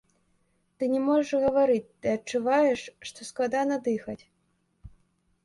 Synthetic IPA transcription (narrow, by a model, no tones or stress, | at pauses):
t̪ɨnʲɛmɔʐɛʂɣɐvaɾɨt͡sʲt̪ɨɐt͡ʂuvajɛʂːt̪ɔsklˠad̪anɐd̪ɨxɐt͡sʲ